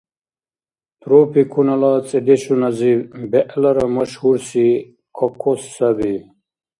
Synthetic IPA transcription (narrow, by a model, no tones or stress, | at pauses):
t̪ɾoːpikʰunɐlaːt͡sʼid̪iɕunɐzibeʔlɐɾɐmɐɕhuɾsi | kʰokʰosːɐbi